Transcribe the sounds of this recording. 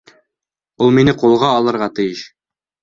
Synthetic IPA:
ulˠminɘqulˠʁɑːlˠɤ̆ɾʁɑt̪ɘ̆jɘʃ

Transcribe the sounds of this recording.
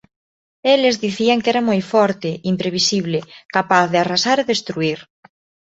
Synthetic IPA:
elezðiθiaŋkɛɾamojfɔɾt̪ɪimpɾeβ̞isiβ̞lekapaθðearasaɾeðest̪ɾuiɾ

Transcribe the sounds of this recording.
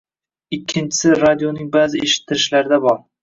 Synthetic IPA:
ɪkʲʰːɪnt͡ʃʰɪ̥sɪɾad̪ijonɪŋbazɪeʃɪ̥t̪ʰːɪɾɪʃlaɾɪd̪abɒɾ

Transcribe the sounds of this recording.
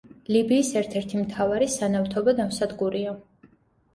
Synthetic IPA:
libiːsɛɾt̪ʰɛɾt̪ʰimt̪ʰavaɾisanaft̪ʰɔbad̪amsad̪ɡuɾia

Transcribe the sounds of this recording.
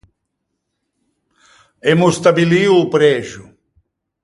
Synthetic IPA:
emʊst̪abiliuːpɾɛʒʊ

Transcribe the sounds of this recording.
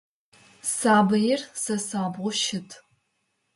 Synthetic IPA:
saːbɐjɪrsɐsaːbʁʷʊʃɪtʰ

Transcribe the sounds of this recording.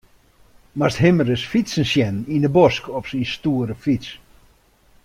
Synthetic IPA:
mastɦɪməɾəsfisənsjɛnindəbɔskɔfsinstuəɾəfit͡s

